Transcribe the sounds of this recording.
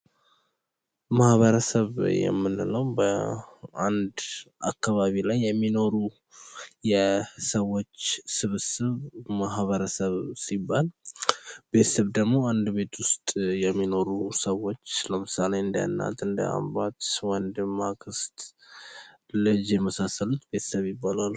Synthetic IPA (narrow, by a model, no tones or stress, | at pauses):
mahβəɾəsəβjɛ̰mːɨnːɨnəwbə | and̪ʔakːaβaβilajːɛmːino̞ɾu | jɛsəwːo̞t͡ʃːsɨβɨsɨβmaɦβəɾəsəβsibːal | be̞t̪ə̥səβd̪əɡmo̞and̪be̞t̪ʰwʊst̪ʼjɛmːino̞ɾusəwːo̞t͡ʃːləmɨsale̞ɨnd̪aja̰nːa̰t̪ɨnd̪ə̰a̰mbat̪wɔnd̪ɨmːakʰɨst̪ʼ | lɨd͡ʒjɛməsasːəlut̪be̞t̪səβjɪbːalal